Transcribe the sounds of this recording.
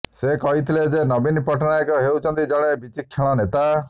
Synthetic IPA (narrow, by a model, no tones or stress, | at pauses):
sekɔɦit̪ʰiled͡ʒenɔbinpɔʈɔnajkɔɦewt͡ʃʰɔnt̪id͡ʒɔɽ̃ebit͡ʃikʰːeɭ̃ɔnet̪a